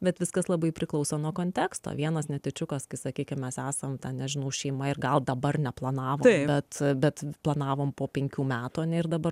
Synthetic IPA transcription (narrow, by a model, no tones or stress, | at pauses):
bʲɛt̪ʋʲɪskɐslˠɐbɐɪpʲɾʲɪklˠɐʊsoːnuɔkoːnʲt̪ʲæːkst̪o̰ʋʲiɛnɐsnʲɛt̪ʲɪt͡ʃʲʊkɐskɐɪsɐkʲiːkʲɪmmʲɛsæːsɐmt̪ɐnnʲɛʒʲɪnɐʊʃʲɛɪmɐɪrɡɐlˠd̪ɐbɐrnʲɛplˠɐnɑːʋoːɪbʲɛt̪bʲɛt̪plˠɐnɑːʋoːmpoːpʲɛŋʲkʲuːmʲæːt̪uːɐnʲɛɪrd̪ɐbɐɾ